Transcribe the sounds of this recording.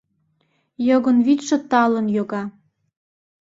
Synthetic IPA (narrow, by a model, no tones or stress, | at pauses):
joɣə̆nβit̪ʃə̆t̪ɑlənjoɣɑ